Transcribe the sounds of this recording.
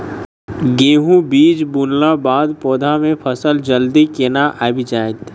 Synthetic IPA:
ɡeːɦũbiːd͡ʒbunlabaːd̪pɔːd̪ʱamẽpʰəsəld͡ʒəld̪ikenaʔʔabʱid͡ʒaːɪt̪

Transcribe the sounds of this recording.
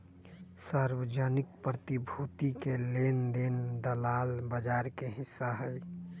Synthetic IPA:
saɾwəd͡ʒanɪkpɾət̪ibʱut̪ikeleːnd̪end̪əlaːlbəd͡ʒaːɾkeɦɪsːaɦɛː

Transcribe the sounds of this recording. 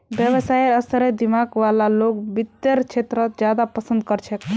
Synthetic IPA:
bjəbəsajəsɾed̪imaɡʋalaloɡbit̪ːəɾt͡ʃʰet̪ɾət̪d͡ʒjad̪apəsə̃nd̪kəɾt͡ʃʰɛk

